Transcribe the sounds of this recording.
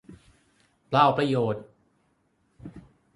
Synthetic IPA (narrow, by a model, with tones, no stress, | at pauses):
plaː˥˩wpɾa˧joː˨˩t̪̚